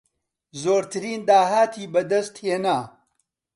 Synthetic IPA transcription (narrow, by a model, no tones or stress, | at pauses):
zoːɾt̪ʰɨɾiːnd̪aːɦaːt̪ʰiːbɐd̪ɐst̪heːnaː